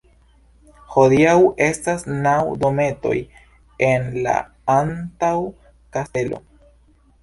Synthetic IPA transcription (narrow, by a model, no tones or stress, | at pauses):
ho̞diawʔe̞stasnawdo̞me̞to̞̰j | enla̰ | antaw | kaste̞lo̞̰